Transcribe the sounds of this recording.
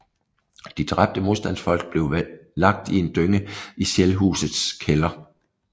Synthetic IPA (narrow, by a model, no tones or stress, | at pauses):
d̥id̥ʁab̥̚d̥əmo̝ðˠsd̥ænsfɒ̽l̰ɡ̥̚b̥le̝ʊlɑ̈ɡ̥̚d̥ie̝nd̥øŋəiɕelɦṵːsð̩ˠskʰelɐ